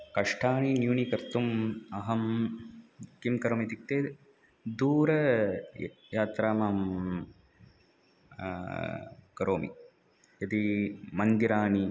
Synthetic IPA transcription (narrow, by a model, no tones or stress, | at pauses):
kɐʂʈʰaːɳinjuːnikɐɾt̪umɐɦɐm | kimkɐɾoːmit̪ik̚t̪eː | d̪uːɾɐ | jaːt̪ɾaːmɐːm | kɐɾoːmḭ | jɐt̪imɐnd̪iɾaːɳi